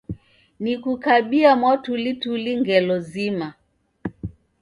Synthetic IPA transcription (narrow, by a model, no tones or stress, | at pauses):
nikukaɓiamwatulituliŋɡɛlɔzima